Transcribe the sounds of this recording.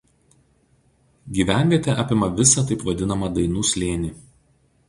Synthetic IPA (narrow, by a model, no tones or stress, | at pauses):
ɡʲiːʋʲæˑnʲʋʲiɛt̪ʲɛʔɑːpʲɪmɐʋʲɪsɐt̪ɐɪpʋɐd̪ʲɪnɐmɐd̪ɐɪnuːsʲlʲeːnʲiː